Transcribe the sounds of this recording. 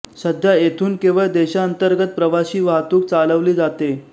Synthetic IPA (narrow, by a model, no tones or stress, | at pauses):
səd̪ʱjaet̪ʰuːnkẽʋəɭd̪eɕaənt̪əɾɡət̪̚pɾəʋaɕiːʋaɦt̪uːk̚t͡saləʋliːd͡zat̪e